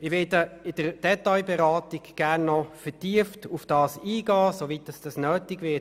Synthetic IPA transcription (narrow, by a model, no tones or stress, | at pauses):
ɪʋɪdəɪd̥əɾd̥ɛtaɪbɛɾɑːtɪɡɡ̥æʁnːɔfətiəftufd̥ɑːsiːɡɑːsovit̚dɑsd̥ɑsnøːtɪɡʋɪt